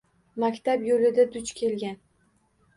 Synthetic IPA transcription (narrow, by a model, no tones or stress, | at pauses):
makʲt̪ʰabjolɪd̪ad̪ʊt͡ʃkʲʰe̞lɡʲan